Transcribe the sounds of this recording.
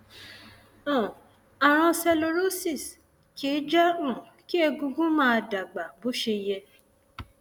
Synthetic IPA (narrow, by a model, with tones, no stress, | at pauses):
ɔ̃˨ | a˨ɾ̃ã˧sɛ˧lo˧ɾo˦si˦˨s | ki˨˦d͡ʒa˦ũ˨ | ki˦ɛ˧ɡũ˧ɡũ˦mãː˦˧da˨ɡ͡ba˨bo˨˦ʃe˧jɛ˧